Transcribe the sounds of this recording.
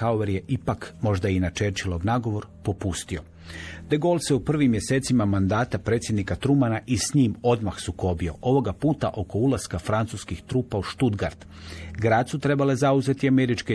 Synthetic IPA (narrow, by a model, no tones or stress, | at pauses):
aoʋeɾje̞ʔipakmo̞ʒd̪ainat͡ʃe̞ɾt͡ʃilˠoɡnaɡo̞ʋo̞ɾpo̞pust̪io̞ | d̪eɡo̞lˠseupr̩ʋimje̞seːt̪simamand̪aːt̪apɾeːt̪sjed̪nikat̪ɾumanaʔisɲiːmo̞d̪maxsuko̞bio̞ʔo̞ʋo̞ɡapuːt̪a̰ʔo̞ko̞ulˠaskafɾant̪suskixt̪ɾuːpauʃt̪ud̪ɡaɾd̪̥ | ɡɾaːd̪sut̪ɾe̞bale̞zauze̞t̪iameɾit͡ʃki